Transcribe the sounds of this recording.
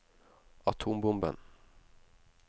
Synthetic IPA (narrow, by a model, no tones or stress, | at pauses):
ɑt̪ʰuːmbʊmbə̰n